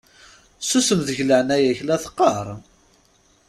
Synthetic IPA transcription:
susəmðəʝləʕnæjæçlæθə̥qːɑɾˤ

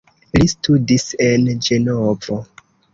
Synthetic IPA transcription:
listudise̞nd͡ʒe̞novo

